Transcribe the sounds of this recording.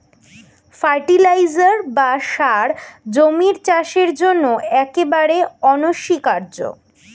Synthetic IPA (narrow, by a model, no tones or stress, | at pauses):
faɾʈilajd͡ʑaɾbaʃaɾd͡ʑomiɾt͡ɕaʃeɾd͡ʑonːoɛkebaɾeɔnoʃikaɾd͡ʑo̰